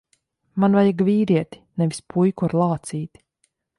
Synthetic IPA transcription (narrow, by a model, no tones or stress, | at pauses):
manvajaɡviːɾiɛt̪i̥nɛvi̥spʰujkuaɾlˠaːt̪siːt̪